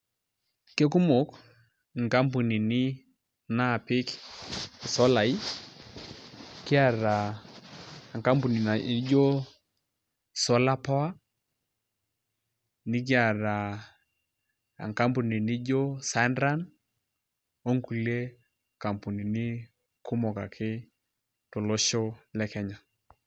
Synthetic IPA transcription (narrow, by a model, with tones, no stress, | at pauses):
ke˦ku˦mo˨˦k | ŋ̩˨ka˦mp̬u˨ni˨ni˦ | na˦˨pi˦k | i˨sɔ˦la˨i˦ | ki˦a˦˨ɾa˨ | ŋka˦mpu˨ni˨na˨˦d͡ʒo˦ | sɔ˦la˦pɔ˦a˦ | nɪ˦k̬ja˨ɾa˨ | a̰˨ŋka˦mbu˨ni˨nɪ˦d͡ʒo˦sa˨˦ndɾa˦n | o˦ŋku˨le˦ | ka˨mpu˨ni˨nɪ˦ | ku˦mɔ˨ka˨kʰɪ˦ | tɔ˨lo˦ʃo˦lɛ˦kɛ˦ɲa˨